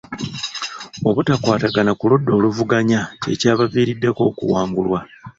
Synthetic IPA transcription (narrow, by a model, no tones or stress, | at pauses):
o̞βutakwaːtaɡanakuludːo̞ːluvuɡaɲace̞̰caːβaviːɾidːe̞ko̞ːkṵwaːŋɡulwa